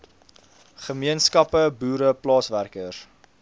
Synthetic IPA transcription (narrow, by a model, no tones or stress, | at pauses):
χəmiənskɐpəbuːɾəplɑːsværkər